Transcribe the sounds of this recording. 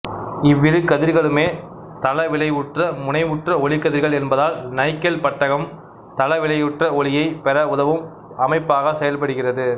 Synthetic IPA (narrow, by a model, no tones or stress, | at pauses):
ɪʋːɪɾɯkːɐðɪɾɣɐɭɯmeː | t̪ɐlɐʋɪɭɐɪʊʈrɐmʊnɐɪʋʊʈrɐɔɭɪkːɐðɪɾɣɐɭɛnbɐðaːlnɐɪkːɐlpɐʈːɐɣɐm | t̪ɐlɐʋɪlɐɪʊʈrɐɔɭɪjɐɪpɛɾɐʊðɐʋɯm | ɐmɐɪpːaːɣɐsɛjɐlpɐɽɯɣɪrɐðɯ